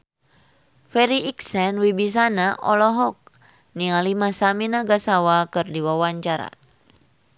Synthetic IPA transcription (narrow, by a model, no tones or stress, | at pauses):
fɛɾiʔiksɛnwibis̬anaʔɔlɔɦɔk̚ | nialimasaminaɡasawakɨrdiwawaɲt͡ʃaɾa̰